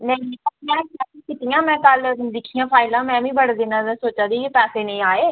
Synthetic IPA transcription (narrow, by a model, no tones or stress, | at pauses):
nɛ̃iĩːəmɛ̃ːkaːikɪt̪ijãːmɛ̃ːkəld̪ɪkʰːijãːpʰaːɪlãːmɛ̃ːʋĩːbəɽd̪ɪnãːɛsoːt͡ʃaːd̪iːpɛːseːnə̃ĩːaːeː